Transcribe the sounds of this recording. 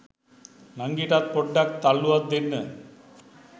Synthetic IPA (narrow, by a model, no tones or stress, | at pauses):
nɐŋɡiːʈat̪̚pɔɖːak̚t̪ɐlːuat̪̚d̪enːə